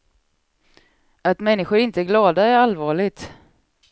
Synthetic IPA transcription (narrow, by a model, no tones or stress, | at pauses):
at̪mɛnːɪɧʊɾɪnt̪əæɾɡlɑːd̪aæɾalvɑːɭɪɡ̚t̪